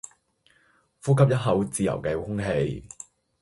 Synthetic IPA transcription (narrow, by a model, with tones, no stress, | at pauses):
fuː˥kʰɐ˥p̚jɐ˥t̚ɦɐ˨˥wt͡siː˨˧jɐ̰˨˩wkɛː˧hʊ˥ŋɦe˧j